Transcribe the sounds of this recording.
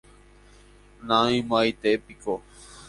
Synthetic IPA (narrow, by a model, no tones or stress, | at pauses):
nãĩmajt̪epiko